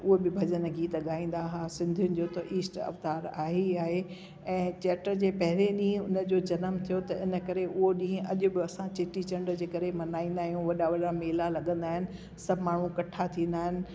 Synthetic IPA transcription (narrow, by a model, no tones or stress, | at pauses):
ʊɦebɪbʱɐd͡ʑənɡʱiːt̪lɐɠaːĩːn̆d̪aɦaːsɪ̃nd̪ʱijʊnɪ̆d͡ʑoːt̪ɐʔiːsʈɐ̰ft̪aːɾaːɦiaːɦe | ɛ̃ːt͡ɕɛːʈəɾd͡ʑeːpɐɦɪleɗĩːə̃ʊnə̆d͡ʑoːd͡ʑɐnəmt̪ʰijot̪ɐɪnə̆kɐɾeʊɦoɗĩːə̃ʔɐʄʊbɪɐsãt͡ɕeʈit͡ɕɐ̃ɳɖd͡ʑeːkɐɾemɐnaːĩːn̆d̪aːɦijũʋɐɗaʋɐɗameːlalɐɠə̃nd̪aːɦɪnɪ̆ | sɐbʱmaːɳ̤ũkɐʈʰat̪ʰĩːn̆d̪aːɦɪnɪ̆